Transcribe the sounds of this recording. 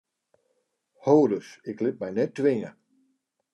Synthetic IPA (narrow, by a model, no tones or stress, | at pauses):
howdəsɪklɪt̚mɛjnɛtːʋɪnə